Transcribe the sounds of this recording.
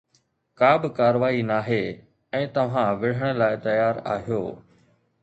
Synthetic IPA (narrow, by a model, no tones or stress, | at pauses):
kaːbɪkaːɾʋaːinaːɦe | ɛ̃ːt̪ɐʋ̤ãʋɪɽ̤əɽ̃əlaːɪt̪ɐjaːɾa̰ːɦijo̰ː